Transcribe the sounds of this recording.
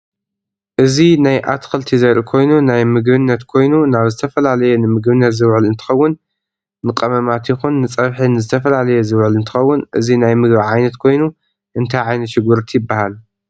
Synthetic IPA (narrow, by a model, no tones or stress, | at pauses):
ʔɨzinajʔa̰t̪kʰɐlt̪ʰizɐɾʔikʰo̞jnunajmɨɡbɨnːɐt̪kʰo̞jnunaβzɨt̪ʰɐfɐlalɐjenɨmɨɡbɨnːɐt̪zɨwʕɨlɨnt̪ʰɨ̥xɐwːʊnː | ɨkʼɐmɐmat̪jɪxunːɨt͡sʼɐβħinɨzɨt̪ʰɐfɐlalɐjezɨwʕɨlɨnt̪ʰɨ̥xɐwːʊnʔɨzinajmɨɡbaʕajnɐt̪kʰo̞jnu | ʔɨnt̪ʰajʕajnɐt̪ʃɪɡuɾt̪ʰijɪbːahal